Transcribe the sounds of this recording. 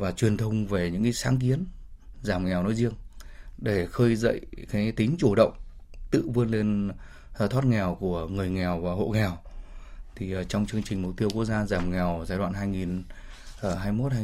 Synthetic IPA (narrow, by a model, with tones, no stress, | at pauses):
vaː˨˩t͡ɕwi˨˩ənt̪ʰə˧wŋ͡mve˨˩ɲɨ̰˧˥ŋkaː˨˦jsaː˨˦ŋk̬i˨˦ənzaː˧˩mŋɛ˨˩wnɔ̰˧˥˦jzi˧əŋɗe˧˩xəː˧jzə̰˧˨jkaː˨˦jt̪ï˨˦ŋ̟t͡ɕu˧˩ɗə̰˧˨wŋ͡m | t̪ɨ̰˧˨vɨ˧ənle˧n˩ | t̪ʰwaː˦˥t̚ŋɛ˨˩wku˧˩əŋɨ˨˩əjŋɛ˨˩wvaː˨˩ho̰˧˨ŋɛ˨˩w | t̪ʰi˨˩t͡ɕɔ˧wŋ͡mt͡ɕɨ˧əŋt͡ɕï˨˩ŋ̟mu˨˩k͡p̚t̪i˧əwkək̚zaː˧zaː˨˩mŋɛ˨˩wzaː˧jɗwa̰ː˧˨nhɦaː˧jŋi˨˩nː˧˩ | ɦaː˧jmo˦˥t̚haː˧